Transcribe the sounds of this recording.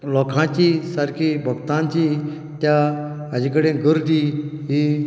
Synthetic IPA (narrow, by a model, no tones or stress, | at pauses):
lɔkʰãt͡ɕisəɾkʰibʱəɡt̪ãɲt͡ɕi | t̪ja | əd͡ʑikəɽẽɡəɾd̪iɦi